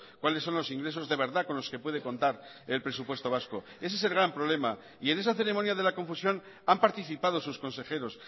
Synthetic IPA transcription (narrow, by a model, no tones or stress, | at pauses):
kwalesːo̞nlo̞siŋɡɾe̞s̬o̞zðe̞βe̞ɾðako̞nlo̞ske̞pwe̞ð̞ekõ̞nt̪aɾ | e̞lpɾe̞supwe̞st̪o̞β̞asko̞ | e̞s̬es̬e̞lɣɾampɾo̞βle̞ma | iene̞saθe̞ɾe̞monjaðe̞lako̞ɱfusjo̞n | ampaɾt̪iθipaðo̞susko̞nse̞xe̞ɾo̞s